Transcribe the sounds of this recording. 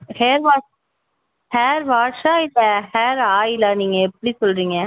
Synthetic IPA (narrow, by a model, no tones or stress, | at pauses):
heːɾʋaː | heːɾʋaːɾʂaːɪlːɐheːɾaːjɪlaːniːŋɡɐɛpːɐɽisɔlɾiːŋɡɐ